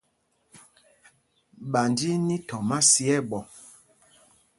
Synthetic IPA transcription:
ɓa˨ndi˦ni˦tɔ˨ma˦si˦ɛ˦˨ɓɔ˨

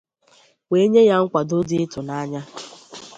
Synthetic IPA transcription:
we˦ɲe˦ja˦ŋ̩˦kʷa˨do˦di˦ɪ˦tʊ˨na˦ɲa˦

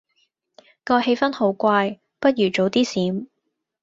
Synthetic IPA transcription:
kɔː˧he˧jfɐ˥nho˨˥wkʷaː˧j | pɐ˥t̚ɥyː˨˩t͡ʃo˨˥wt̪iː˥siː˨˥m

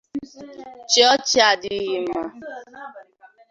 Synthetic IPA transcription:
t͡ʃɔ˦t͡ʃɪ˦a˨dɪ˨˦ɣi˨m̩a˨

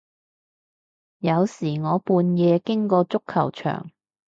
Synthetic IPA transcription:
jɐ˨˧wsiː˨˩ŋɔː˨˧puː˧njɛː˨˧kɪ˥ŋkɔː˧t͡sʊ˥kʰːɐ̰˨˩wt͡ʃʰœ̰ː˨˩ŋ

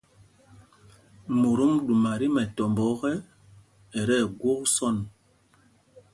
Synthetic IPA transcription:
mo˨ɾu˦mɗu˨ma˨ɾi˦mɛ˨tɔ˨mbɔ˨˦ɣɛ˦ | ɛ˨ɾɛ˦˨ɡwo˦ksɔ˦˨n

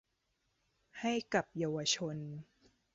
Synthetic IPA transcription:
ha˥˩jka˨˩p̚jaː˧wa˧t͡ɕʰo˧n

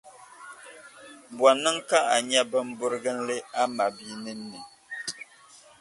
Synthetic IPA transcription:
bwɔ˨nɨ˦ŋ˦ka˦a˨ɲɛ˦bə˦m̩˦bʊ˦ɾɨ˦ɡɨ˦n̩˦lɨ˦a˦ma˨bi˦nɨ˦n̩ː˦ɨ˨

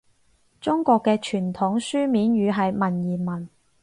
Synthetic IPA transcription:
t͡sʊ˥ŋkɔː˧kːɛː˧t͡ʃʰyː˨˩nt̪ʰʊ˨˥ŋsyː˥miː˨˥nɥyː˨˧ɦɐ˨jmɐ˨˩njiː˨˩mɐ˨˩n

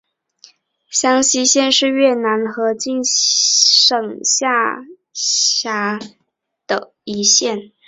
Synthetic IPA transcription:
ɕjɑ˥ŋɕi˥ɕjɛ˥˧nʂɻ̩˥˧ɥɛ˥˩na˧˥nxɤ˧˥t͡ɕi˥˧n | ʂɤ˨˩ŋɕja˥˩ | ja˧˥ | d̪̥ə̰˨˩ | i˧˥ɕjɛ˥˩n

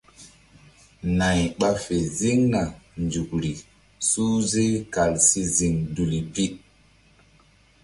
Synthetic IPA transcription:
na˨jɓa˦fe˨zi˦ŋna˨nd͡ʒu˨kɾi˨ | suː˦ze˦ka˨lsi˦zi˨ŋdu˨li˨pi˦

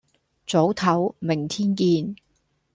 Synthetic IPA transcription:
t͡so˨˥wt̪ʰɐ˨˥wmɪ˨˩ŋt̪ʰiː˥nkiː˧n

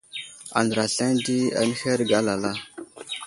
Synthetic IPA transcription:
a̰˨ndɾa˨ɬa˦ndi˦a̰˨nə˦xe˦ɾɡa˦la˨la˦

